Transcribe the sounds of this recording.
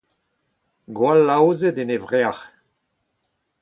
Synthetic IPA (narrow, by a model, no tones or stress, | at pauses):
ɡwalːawzed̪enevʁeaʁ